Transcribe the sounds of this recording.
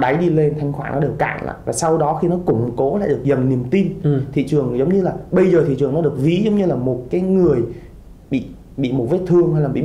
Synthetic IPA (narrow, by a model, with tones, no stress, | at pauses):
ɗa˨˦jɗi˧le˧nt̪ʰa˧jŋ̟xwaː˧˩nʔɔ˨˦ɗɨ˨˩əkka̰ː˧˩ŋla̰ː˧˨jvaː˨˩sa˧wɗɔ˨˦xi˧nɔ˨˦kʊ̰˧˩ŋ͡mko˨˦la̰ː˧˨jɗɨ˨˩ək̚zə˨˩nːi˨˩əmt̪i˧nt̪ʰḭ˧˨t͡ɕɨ˨˩əŋzə˨˦wŋ͡mɲɨ˧laː˨˩ɓə˧jzəː˨˩t̪ʰi˧˨t͡ɕɨ˨˩əŋnɔ˨˦ɗɨ˨˩ək̚vi˨˦zə˨˦wŋ͡mɲɨ˧laː˨˩mo˨˩t̚kaː˨˦jŋɨ˨˩əj | ɓḭ˧˨ | ɓḭ˧˨mo˨˩t̚ve˦˥t̚t̪ʰɨ˧əŋha˧jlaː˨˩ḭ˧˨